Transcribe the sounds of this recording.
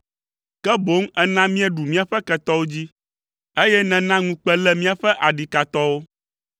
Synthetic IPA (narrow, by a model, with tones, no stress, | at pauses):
kɛ˦bo˨˦ŋɛ˦nã˦mĩ˦ɛ˦ɖu˨mĩ˦a˨ɸɛ˦kɛ˦t̪ɔ˦wo˦d͡ʑi˦ | e˦jɛ˦nɛ̃˨nã˦ŋũ˦k͡pɛ˦lɛ˦mĩ˦a˨ɸɛ˦ʔa˨ɖi˨ka˨t̪ɔ˦wo˦